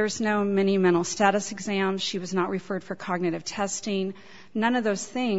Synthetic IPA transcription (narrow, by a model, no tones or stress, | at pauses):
ə˞znoʊmɛniɨmɛ̃ɾ̃l̩ˠstæɾɨsɨɡzæ̃mz̥ʃiwʌznəʔ̚ɹʔɨfɜ˞d̥fə˞kʰɑɡ̚nɨɾɨv̥tʰɛstɪ̃ŋ | nʌ̃nʌvðoʊz̥θɪ̃ŋ